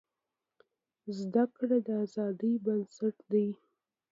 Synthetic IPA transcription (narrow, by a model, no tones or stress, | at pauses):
zd̪akɽad̪əazɑd̪ibənsaʈd̪aj